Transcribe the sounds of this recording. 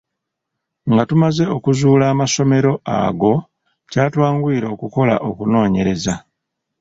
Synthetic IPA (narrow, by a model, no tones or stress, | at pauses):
ŋɡatumaze̞o̞kuzuːlaːmaso̞me̞ɾo̞a̰ɡo̞ | caːtwaːŋɡuiːɾo̞ːkuko̞la̰ʔo̞kuno̞ːɲe̞ɾe̞za